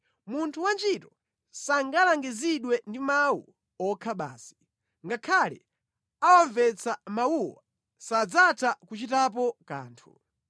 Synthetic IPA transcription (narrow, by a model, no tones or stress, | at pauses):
muntʰuwant͡ʃitɔ | saŋɡalaŋɡiziɗwɛndimawṵ | ɔkʰaɓa̰ːsi̥ | ŋɡakʰalɛ̰ | awaɱvɛt͡samawuwa | sad͡zatʰakut͡ʃitap̬ɔka̰ːntʰṵ